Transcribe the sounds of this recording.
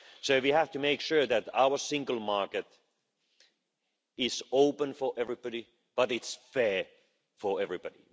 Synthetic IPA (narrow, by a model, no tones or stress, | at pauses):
soʊwihæftɨmeɪkʃʊɹðɨta̰ʊə˞sɪ̃ŋɡəl̩ˠmɑɹkɨt | ɪzoʊpə̃nfə˞ʔɛvɹibɑɾi | b̥ʌɾɨtsfɛɹ | fə˞ɛvɹibɑɾḭ